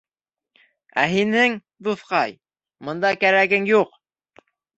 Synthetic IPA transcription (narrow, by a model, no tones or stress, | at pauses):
æ̰ɦinɘŋ | d̪uθqɑj | mɤ̆nd̪ɑkæɾæɡɘŋjuq